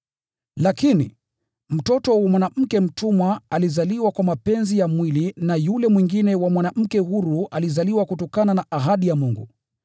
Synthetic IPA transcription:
lakinḭ | m̩tɔtɔwamwanam̩kɛm̩tumwaalizaliwakwamapɛnzijamwilinajulɛmwiŋɡinɛwamwanam̩kɛhuɾualizaliwakutɔkananaʔaɦaɗijamuŋɡṵ

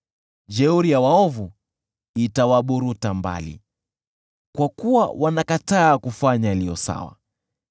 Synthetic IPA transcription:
d͡ʒɛuɾijawaɔvu | itawaɓuɾutamba̰lḭ | kwakuwa̰wanakataːkufaɲaalijɔ̰sa̰wa̰

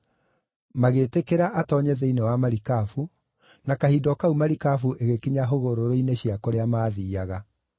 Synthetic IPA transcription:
maɣeːtekeɾaʔatɔɲɛðɛinewamaɾikafu | nakahidɔkaumaɾikafuʔeɣekiɲaɦoɣoɾoɾoineɕiakoɾeamaːðiːaɣa

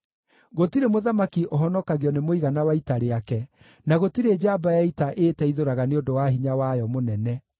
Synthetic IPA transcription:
ɣotiɾemoðamakiʔoɦɔnɔkaɣeɔnemoiɣanawaitaɾeakɛ | naɣotiɾed͡ʒabajaitaʔeːtɛiðoɾaɣaneondowaɦiɲawajɔmonɛnɛ

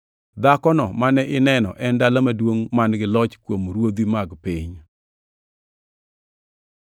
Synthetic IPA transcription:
d̪akɔnɔmanɛʔɪnɛnɔ̰ʔɛndalamadwoŋmanɡɪlɔt͡ʃkwomɾwod̪imaɡpɪɲ

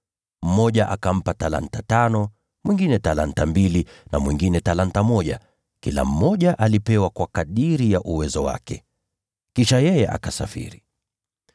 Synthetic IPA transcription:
m̩mɔʄaʔakam̩patala̰ntatanɔ | mwiŋɡinɛtala̰ntambilinamwiŋɡinɛtalantamɔʄa | kila̰m̩mɔʄaʔalipɛwakwakaɗiɾijaʔuwɛzɔwa̰kɛ | kiʃajɛjɛʔa̰kasafḭɾi

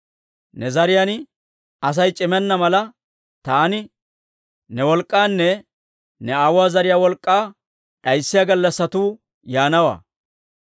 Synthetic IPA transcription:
nɛzɐɾɪjan | ɐs̬ɐjt͡ʃʼɪmɛnːɐmɐlɐ | t̪aːnɪ | nɛwɔlkʼːaːnːɛ | nɛaːwʊaːzɐɾɪjaːwɔlkʼːaː | ɗɐjsːɪjaːɡɐlːɐsːɐt̪uː | jaːnɐwa̰ː

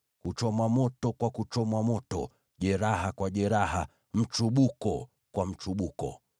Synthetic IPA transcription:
kut͡ʃɔmwamɔtɔkwakut͡ʃɔmwamɔtɔ̰ | ʄɛɾahakwaʄɛɾaɦa̰ | m̩t͡ʃuɓukɔ | kwam̩t͡ʃuɓukɔ̰

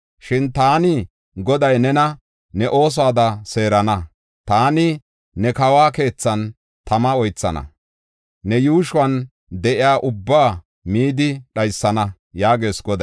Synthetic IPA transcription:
ʃɪnt̪aːnɪ | ɡɔd̪ɐjnɛnɐ | nɛʔo̞ːs̬aːd̪ɐse̞ːɾɐnɐ | t̪aːnɪ | nɛkɐwaːke̞ːt͡sːɐn | t̪ɐmɐɔjt͡sːɐ̰nɐ̰ | nɛjuːʃʊwɐn | d̪ɛʔɪjaːʔʊbːaː | miːd̪ɪɗɐjsːɐnɐ | jaːɡe̞ːsɡɔd̪ɐ

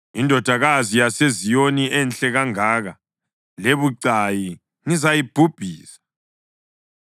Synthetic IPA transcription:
indʱɔd̥ʱaɣazijasezijoniʔɛnɬɛɣaŋaːɣa | leβuǀaji | ŋizajib̥ʱub̥ʱiːsḁ

